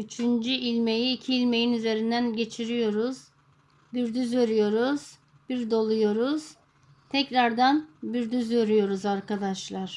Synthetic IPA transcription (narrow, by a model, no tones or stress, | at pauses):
yt͡ʃʰynd͡ʒyʔilʲme̞jiːcʰiːlʲme̞jinyze̞ɾind̪ænɟe̞t͡ʃʰiɾijo̞ɾuz̥ | byɾd̪yzvøɾyjo̞ɾuz̥ | biɾd̪o̞lˠujo̞ɾuz̥ | t̪ʰɛcɾaɾd̪anbyɾd̪yzvøɾyjo̞ɾuzaɾkad̪aʃlˠaɾ̥